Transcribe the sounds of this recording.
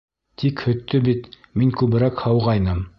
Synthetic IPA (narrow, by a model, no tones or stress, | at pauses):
t̪ʰikhɵ̆t̪ːɵbit̪ | miŋkʉβɘ̆ɾækhɑwʁɑjnɤm